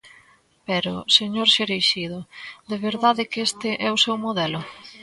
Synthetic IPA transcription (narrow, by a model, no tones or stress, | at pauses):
pɛɾʊseɲoɾʃeɾejʃiðʊd̪eβeɾðaðɪkest̪ɪʔɛʊsɛwmoðɛlʊ